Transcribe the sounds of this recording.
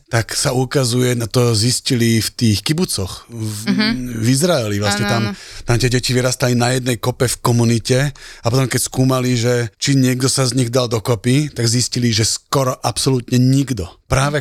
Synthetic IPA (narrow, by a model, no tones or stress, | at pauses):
t̪aksaukazujɛnat̪ɔziscilift̪iːxkibut͡sɔx | vizɾaɛliʋlasɲɛt̪amt̪amt̪ɪɛɟɛciʋiɾast̪alinajɛd̪nɛjkɔpɛfkɔmunicɛapɔt̪ɔmkɛcskuːmaliʒɛt͡ʃiɲɪɛɡ̚d̪ɔsazɲiɣd̪ald̪ɔkɔpit̪aɡzisciliʒɛskɔɾɔʔapsɔlut̪ɲɛɲiɡd̪ɔpɾaːʋɛ